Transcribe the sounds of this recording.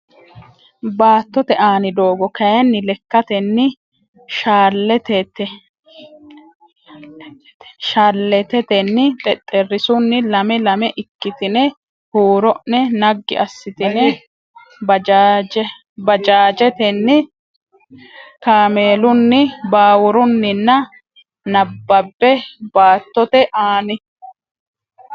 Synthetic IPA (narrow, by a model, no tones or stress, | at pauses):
baːt̪ːɔt̪ɛʔaːnɪd̪o̞ːɡɔkɐjɐnːɪlɛkːɐt̪ɛnːɪ | ʃaːlːɛt̪ɛt̪ɛ | ʃaːlːɛt̪ɛt̪ɛnːɪt̪ʼɛt̪ʼːɛrːɪsʊnːɪlɐmɛlɐmɛʔɪkːɪt̪ɪnɛ | huːɾɔʔnɛnɐɡːɪ̰ʔɐsːɪt̪ɪnɛ | bɐad͡ʒɛ | bɐd͡ʒaːd͡ʒɛt̪ɛnːɪ | kaːmeːlʊnːɪbaːwʊɾʊnːɪnːɐ | nɐbːɐbːɛbaːt̪ːɔt̪ɛʔaːnɪ